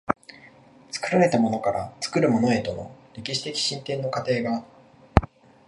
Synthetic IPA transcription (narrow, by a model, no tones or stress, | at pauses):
t͡sɨ̥kɯ̟ɾaɾe̞t̪amo̞no̞kaɾa̰t͡sɨ̥kɯ̟ɾɯ̟mo̞no̞e̞t̪o̞no̞ɾʲe̞kʲiɕi̥t̪e̞kʲi̥ɕĩnt̪ẽ̞nːo̞kat̪e̞ːɡaː